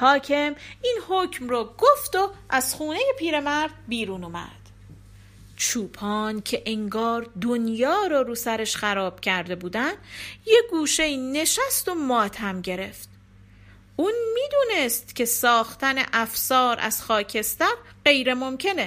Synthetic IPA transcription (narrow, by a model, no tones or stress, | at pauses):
hɒːcʰe̞mʔiːnhocʰmrɒːɡoft̪oʔæz̥χuːne̞je̞pʰiːɾe̞mæɾd̪biːɾuːnumæ̰d̪̥ | t͡ʃʰuːpʰɒːncʰe̞ʔeŋɡɒːɾd̪onjɒːɾɒːɾuːsæɾeʃxæɾɒːb̥cʰæɾd̪e̞buːd̪ænd̪je̞ɡuːʃe̞jiːne̞ʃæst̪o̞mɒːt̪ʰhæmɟe̞ɾe̞ft̪ | ʔuːnmiːd̪uːne̞st̪cʰʲe̞sɒːxt̪ænḛʔæfsɒːɾʔæ̰z̥xɒːcʰe̞st̪æɾ | ɢe̞jɾe̞mo̞mcʰe̞ne